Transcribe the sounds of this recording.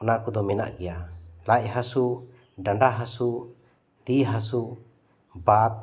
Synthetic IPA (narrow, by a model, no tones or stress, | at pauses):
nakud̪ɔmɛna̰ʔɡɛjalac̚ɦasu | ɖaɳɖaɦasu | d̪iɦasu | bat̪̚